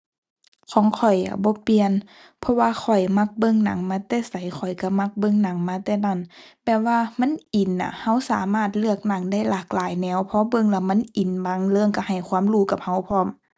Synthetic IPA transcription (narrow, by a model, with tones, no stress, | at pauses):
kʰɔː˨˦ŋkʰɔ˨˩ja̰˨˧˩bɔː˧˦pi˧ən | pʰɔ˧waː˧xʰɔ˨˩jma˧˥˨k̚bɤ˧˨ŋna̰˨˦ŋmaː˧˥t̪ɛː˧˩sa˨˦jxʰɔ˨˩jka˧˩ma˧˥k̚bɤ˧˨ŋna˨˦ŋmaː˧˥t̪ɛː˧˩na˧˥˩npɛː˧˩waː˧ma˧˥˨nʔi˨˩nːa̰˨˩ha˧˥˨wsaː˨˦maː˧˩˨t̪̚lɯ˧˩ək̚na˨˧˦ŋda˧˥˨jlaː˨˩k̚laː˨˦jnɛː˧˥˨wpʰɔ˧˦bɤ˧˨ŋlɛ˧˩ma˧˥˨nʔi˨˩˦nba˧˦ŋlɤː˧˨ŋka˧ha˨˩jkʰwaː˧˥˨mluː˧˩˦ka˧˦p̚ha˧˩wpʰɔː˧˥˨m